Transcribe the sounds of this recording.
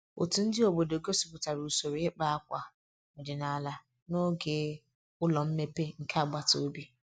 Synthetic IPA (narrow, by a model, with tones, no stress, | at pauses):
o̰˨tu˨n̩˦dɪ˦o˨bo˨do˨ɡo˦su̥˨pʊ˨ta˨ɾu˨so˨ɾi˨ɪ˦k͡pa˦a˦kʷa˨ | ɔ˨dɪ˨na˨la˦ | no˦ɡe˨ | ʊ˦lɔ˨m̩˦me˦pe˦ŋ̩˨ka˦a˨ɡ͡ba˦to˨˦bi˦